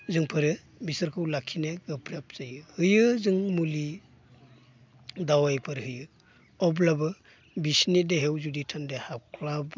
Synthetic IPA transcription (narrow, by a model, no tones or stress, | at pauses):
zɯŋpʰɯɾɯ | bisɯɾkʰɯwlakʰːinaɡɯpʰɾap̚z̥ajɯhɯjɯzɯŋmuli | dawajpʰɯɾɦɯjɯ | ɔb̬labɯ | bisnideɦewzuditʰandehakʰlab